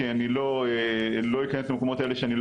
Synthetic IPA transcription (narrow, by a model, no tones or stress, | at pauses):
eanilo̞elo̞ikaneslameko̞mo̞t̪ae̞le̞ʃeanil